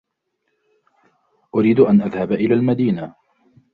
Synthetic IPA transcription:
ʔʊɾiːd̪ʊʔanʔaðhabʔɪlaːlmad̪iːna

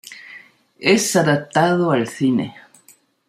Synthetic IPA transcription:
esaðap̚t̪aðoalθinḛ

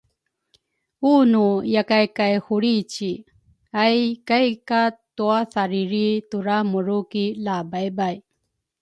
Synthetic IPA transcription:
uːnujɐkajkajhuɽit͡ɕi | ajkajkat̪uasaɾiɾit̪uɾamuɾukilaːbajbaj

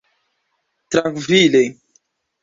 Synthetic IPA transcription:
t̪ɾaŋkvile

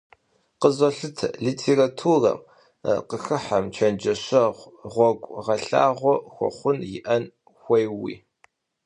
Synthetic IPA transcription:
qəzɐɬɨtʰliːtʰeːratʰuːrɐ̰m | qəxɨħamt͡ʃʰɐnd͡ʒɐɕɐʁʷʁʷɔɡʷʼʁɐɬa̰ːʁʷɔxʷɔ̰χʷʊnjɪʔɐn | xʷɐjwḭː

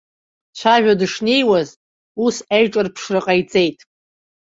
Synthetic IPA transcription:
t͡ɕʷʰaʒᶣadɨʂne̞jwaz | usajʈ͡ʂʼɨrpʰʂrɨqʼajt͡sʼe̞jtʼ

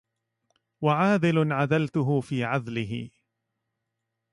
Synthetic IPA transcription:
waʕaːðɪlʊnʕaðalt̪ʊɦʊfiːʕaðlɪɦɪ̰

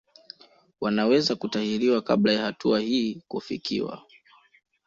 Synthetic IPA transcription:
wanawɛzakutahiɾiwaka̰blajahatuahiːkufḭkʰḭwa̰

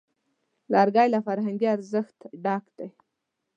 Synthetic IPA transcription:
lɑɾɡɑjlafaɾɦaŋɡiaɾzəxt̪ɖɑkd̪aj

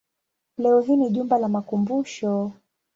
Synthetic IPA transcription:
lɛɔɦiniʄumbalamakumbuʃɔ

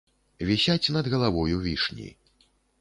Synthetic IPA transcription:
vʲisʲat͡sʲnɐd̪ɣɐlˠavɔjuvʲiʂnʲḭ

